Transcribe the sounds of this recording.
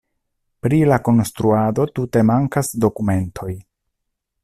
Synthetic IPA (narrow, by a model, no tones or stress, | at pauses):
pɾilako̞nstɾuado̞tute̞maŋkasdo̞kume̞ntʰo̞j